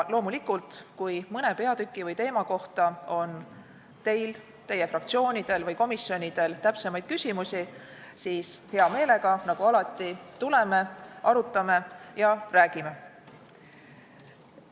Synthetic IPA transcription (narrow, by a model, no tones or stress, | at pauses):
lo̞ːmulikult̪kujmɤne̞pe̞ɑd̪̥ykːˑivɤjt̪e̞ːmɑko̞ht̪ɑo̞n | t̪e̞jl | t̪e̞je̞frɑk̚t̪sio̞ːnʲid̪̥e̞lvɯjko̞misːjo̞nʲid̪̥e̞lt̪æpsemɑjd̪̥̚kysʲimusʲi | siːshe̞ɑme̞ːle̞ɡ̥ɑnɑɡ̥uɑlɑt̪ˑːit̪ule̞me̞ʔɑɾut̪ˑːɑme̞jɑræːɡ̥ime̞